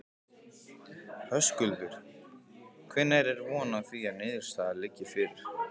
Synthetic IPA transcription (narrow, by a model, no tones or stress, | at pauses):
hœskʏlvʏɾ̥ | kʰvɪnːajɾɛɾvɔːnaθiaðnɪðʏɾ̥st̪aːðalɪcːɪfɪɾɪɾ̥